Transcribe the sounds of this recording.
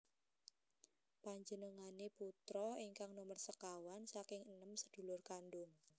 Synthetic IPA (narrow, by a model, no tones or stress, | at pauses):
paɲd͡ʒənəŋaneput̪ɾɔiŋkaŋnomərsəkawansakɪŋənəmsəd̪̥ṳlʊrkanɖʊŋ